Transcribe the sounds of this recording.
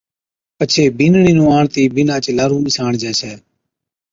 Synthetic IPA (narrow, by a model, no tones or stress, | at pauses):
pət͡ʃʰeːbɪnɳĩːnũːaːɳt̪iːbɪnãːt͡ʃlaːɾũːmɪsaːɳd͡ʒɛːsɛː